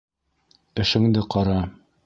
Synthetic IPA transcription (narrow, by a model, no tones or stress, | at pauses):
ɘ̆ʃɘ̆ŋd̪ɘqɑɾɑ